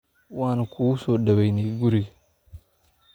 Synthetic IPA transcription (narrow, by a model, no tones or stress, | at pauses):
waːnakʰusodɐβajneɡuɾiɡ